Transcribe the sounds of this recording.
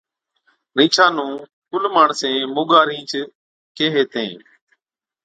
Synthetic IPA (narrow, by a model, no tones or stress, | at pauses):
ɾĩːt͡ʃʰãːnũː | kʊlmaːɳsẽːmʊːɠaːɾĩːt͡ʃ | keːɦeːt̪ḛ̃ː